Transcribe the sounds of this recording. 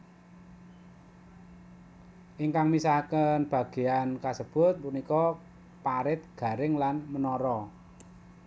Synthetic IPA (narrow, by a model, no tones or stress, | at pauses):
ʔiŋkaŋmisahkənb̥ä̤ɡ̥e̤ankasəb̥ʊ̤t̪̚punikɔ | paɾɪt̪̚ɡ̥ä̤ɾɪŋlanmənɔɾɔ